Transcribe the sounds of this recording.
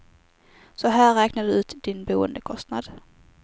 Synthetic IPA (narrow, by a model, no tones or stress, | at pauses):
sɔɦæːɾɛːknad̪ɵʉ̟ːt̪d̪̥ɪnbuːə̰nd̪əkʰɔst̪nad̪